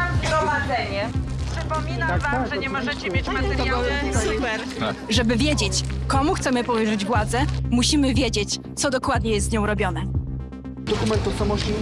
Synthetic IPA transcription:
ɡɾɔvad̪zɛɲɛpʂɘpɔmʲinavamʐɛɲɛmɔʐɛt͡ɕɛmʲjet͡ɕmaɔsupɛɾ | ʐɛbɘvʲjed͡ʑet͡ɕkɔmuxt̪sɛmɘpɔvɛʐɘd͡ʑɡwad̪zɛmuɕimɘvʲjed͡ʑet͡ɕt̪sɔd̪ɔkwad̪̚ɲɛjɛst̪zɲɔ̃w̃ɾɔbʲjɔnɛ | d̪ɔkumɛnt̪ɔsɔmɔʃʲi

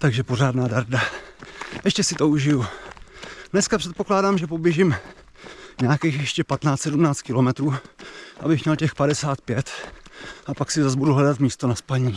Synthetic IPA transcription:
t̪aɡʒɛpo̞raːdnaːdaɾda | ʔɛʃcɛsɪt̪o̞uʒɪju | nɛskapr̥ɛt̪̚po̞klaːdaːmʒɛpo̞bjɛʒɪm | ɲaakiːxjɛʃcɛpat̪naːst̪sɛdumnaːt͡st̪̚kɪlo̞mɛt̪ɾuːʔa̰bɪxmɲɛlcɛxpadɛsaːt̪̚pjɛt̪ | apaksɪzazbuduɦlɛdat̪miːst̪o̞naspaɲiː

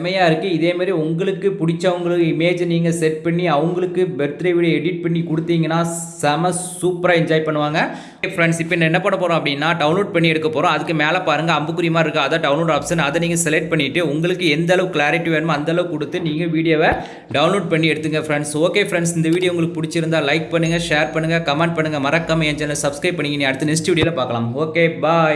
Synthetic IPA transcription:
ɐmɐjaːɪɾɯkːɯɪðeːmaːd̪ɾiʊŋɡɐɭɯkːɯpʊɽɪt͡ʃːɐɐʋɐŋɡɐɭɯkːɯɪmeːd͡ʒniːŋɡɐsɛʈ̚pɐɳːiɐʋɐŋɡɐɭɯkːɯbɛɾɯt̪ːɯɾɐʋiːɽɛɽɪʈ̚pɐɳːikʊɽɯt̪ːiːŋɡɐnːaː | sɐmɐsuːpɾaːɪɲd͡ʒaːɪpɐɳːɯʋaːŋɡɐ | fɾɛɳɖsɪpːɐɪnːɐɛnːɐpɐɳːɐpoːɾõɐpːɐɽɪnːaːɖɐʊnloːɖ̚pɐɳːiɛɽɯkːɐpːoːɾõːɐðɯkːɯmeːlɐpaːɾɯŋɡɐɐmbɯkːɯɾɪjɐmaːɪɾɯkːɯɐðaːɖɐʊnloːɽaːpsɐnɐðɐniːŋɡɐsɛlɛk̚ʈ̚pɐɳːɪʈːɯʊŋɡɐɭɯkːɯɛnd̪ɐlɐʋɯkɪlaːɾɪʈːiʋeːnɯmɐnd̪ɐɭɐʋɯkɔɽɯt̪ːɯniːŋɡɐʋiːɽɪjoːʋɐ | ɖɐʊnloːɖpɐɳːiɛɽɯt̪ːɯŋɡɐfɾɛɳɖsoːkeːfɾɛɳɖsɪnd̪ɐʋiːɽɪjoːʊŋɡɐɭɯkːɯpʊɽɪt͡ʃːɪɾɯnd̪aːlɐɪk̚pɐɳːɯŋɡɐʂeːɾpɐɳːɯŋɡɐkɐmɛɳɖ̚pɐɳːɯŋɡɐmɐɾɐkːaːmɐɛɲd͡ʒɐnɐlɐsɐbskɾɐɪpːɐɳːɪŋɡɐnĩːɐɽɯt̪ːɯnɪsʈʋiːɽɪjoːlɐpaːɾkɐlaːmoːkeːbaː

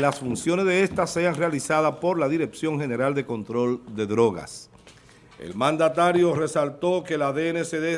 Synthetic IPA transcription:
lasfunsjone̞zðe̞est̪asːe̞aŋrealisaðapo̞ɾlaðiɾe̞ksjo̞ŋɦe̞ne̞ɾald̪e̞ko̞nt̪ɾo̞ld̪e̞ðɾo̞ɣa̰s | ḛlmãnd̪at̪aɾjo̞re̞salt̪o̞ke̞laðeeneseðe

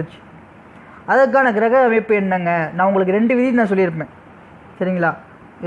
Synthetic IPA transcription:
t͡ʃːɯ̥ | ɐðɐkːaːnɐkɪɾɐɣɐɣaʋeːpːɯɛnːɐŋɡɐnãːʊŋɡɐɭɯk̬ːɯɾɛɳɖɯʋɪðɪnãːsɔlːɪɪɾɯp̬ːẽː | sɐɾɪŋɡɐɭaː | ɪ

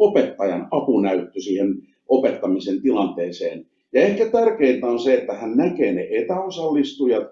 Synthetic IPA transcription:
opet̪ːɑjɑnɑpunæyt̪ːysiːhen | opet̪ːɑmisent̪ilɑnt̪eːseːn | jɑehkæt̪ærkeint̪æonseet̪ːæhænnækeːneʔet̪æosɑlːist̪ujɑt̪

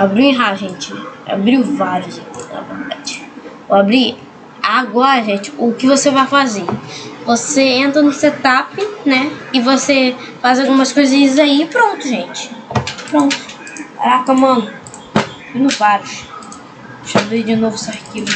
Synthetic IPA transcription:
abɾiʊ̃ĩɦaʒẽt͡ʃɪa̰bɾiʊvaɾʊzekinɐ̰vḛɾd̪ad͡ʒɪ | oabɾi | aɡɔɾɐʒẽt͡ʃɪ̥ʊkɪvosevajfazevoseẽnt̪ɾɐnʊset̪apɪnɛɪvose | fazawɡũmɐskojzĩɲɐzaipɾõnt̪ʊʒẽt͡ʃɪ̥pɾõnt̪ʊ̥sḛɾakɐmɐ̃nʊ | inʊvaɾʊʃ | ʃabɾid͡ʒɪnovʊsahkivʊ

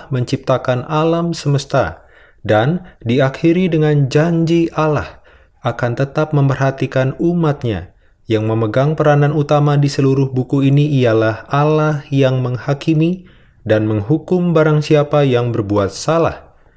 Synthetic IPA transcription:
hməɲt͡ʃip̚t̪akanʔalamsəməst̪a | dandiakiɾidəŋand͡ʒaɲd͡ʒiʔala̰h | ʔakant̪ət̪ap̚məmpərɦat̪ikanumat̪̚ɲa̰ | jaŋməməɡaŋpəɾananut̪amadisəluɾʊhbukuiniːjalahalahjaŋməŋhakimi | danməŋɦukʊmbaɾaŋsiapajaŋbərbuat̪̚sala̰h

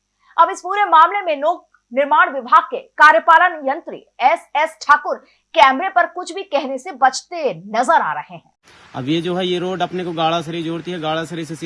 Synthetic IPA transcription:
ɐbɪspuːɾemaːmlemẽnoːɡ | nɪɾmaːɽ̃ʋɪbʱaːɡ̚kekaːɾjəpaːlənjɐ̃nt̪ɾḭ | ɛsɛsʈʰaːkʊɾ | kɛːmɾepɐɾkʊt͡ʃʰbʱikɛɦnesebɐt͡ʃt̪enɐzəɾa̰ːɾɐheɦɛ̃ː | ɐ̰bjed͡ʒoːɦɛjeɾoːɖɐpnekoɡaːɭas̬ɐɾid͡ʒoːɽt̪iɦɛɡaːɭasɐɾises

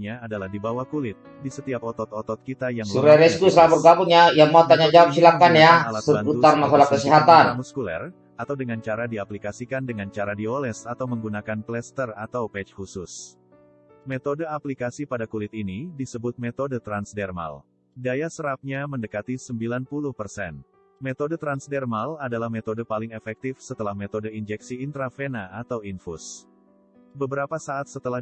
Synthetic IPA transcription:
ɲaːdalahdibawahkulɪt̪̚disət̪iap̚ɔt̪ɔt̪ɔt̪ɔt̪̚kit̪ajaŋsŋuɾaɾɛskuslabərɡabuŋjajamaut̪aɲad͡ʒawap̚silakanjaalasəuaŋmasalakəsiɦat̪anmuskulɛ̰r | at̪awdəŋant͡ʃaɾadiaplikasikandəŋant͡ʃaɾadiolɛsat̪awməŋɡunakanplɛst̪ərat̪awpɛt͡ʃhusʊs | met̪odəaplikasipadakulɪt̪inidisəbʊt̪̚met̪odət̪ɾansdɛrma̰l | dajasəɾap̚ɲaməndəkat̪isəmbilanpulʊhpərsɛn | met̪odət̪ɾansdɛrmaladalahmet̪odəpalɪŋefɛk̚t̪ifsət̪əlahmet̪odəind͡ʒɛksiːnt̪ɾafenaːt̪awinfus | bəbəɾapasaat̪̚sət̪əla

